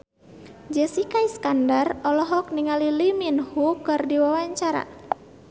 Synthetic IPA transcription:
d͡ʒɛsikaiskandarɔlɔɦɔk̚niŋaliliminhukɨrdiwawaɲt͡ʃaɾa̰

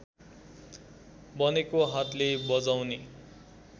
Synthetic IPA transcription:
bʌnekoɦat̪lebʌd͡zawne

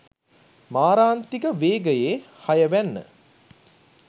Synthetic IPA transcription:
maːɾaːnt̪ikəʋeːɡəjeːhajəʋænːə̰

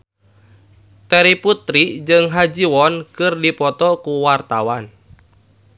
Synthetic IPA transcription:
t̪eɾiput̪ɾid͡ʒɨŋɦad͡ʒiwɔnkɨrdipɔt̪ɔkuwart̪awan

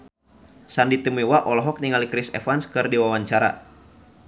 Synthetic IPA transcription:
sandit̪imiwaʔɔlɔɦɔk̚niŋalikɾisɛ̰fanskɨrdiwawaɲt͡ʃaɾa̰

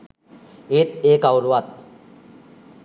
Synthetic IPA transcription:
eːt̪eːkawɾuʋat̪

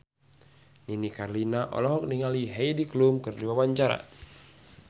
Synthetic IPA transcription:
ninikarlinaʔɔ̰lɔɦɔk̚niŋaliɦɛjdiklumkɨrdibawaɲt͡ʃaɾa̰

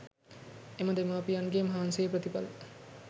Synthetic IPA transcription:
emɐd̪emaːpijɐnɡeːmɐɦaːnsejepɾɐt̪ipɐl

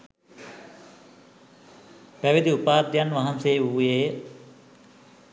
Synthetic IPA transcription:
ʋæʋid̪iupaːd̪janʋɐɦɐnsejːuːjeːə

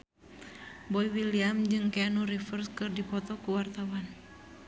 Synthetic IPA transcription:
bɔiwiliamd͡ʒɨŋkɛanuɾifərskɨrdipɔt̪ɔkuwart̪awan

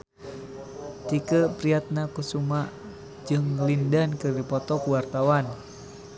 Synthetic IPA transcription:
t̪ikəpɾiat̪̚nakusumaʔ | d͡ʒɨŋlindankɨrdipɔt̪ɔkuwart̪awan

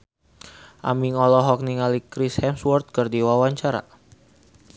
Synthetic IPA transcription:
ʔa̰miŋɔlɔɦɔk̚niŋalikɾishɛmswɔrt̪̚kərdiwawaɲt͡ʃaɾa̰

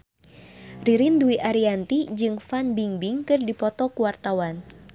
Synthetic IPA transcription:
riɾinduiʔaɾiant̪id͡ʒɨŋfanbiŋbiŋkɨrdipɔt̪ɔkuwart̪awan

